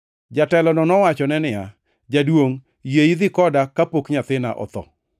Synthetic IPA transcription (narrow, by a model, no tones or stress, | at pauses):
d͡ʒatɛlɔnɔnɔwat͡ʃɔnɛnɪja̰ | d͡ʒadwoŋ | jeid̪ɪkɔdakapokɲat̪ɪna̰ʔɔ̰t̪ɔ̰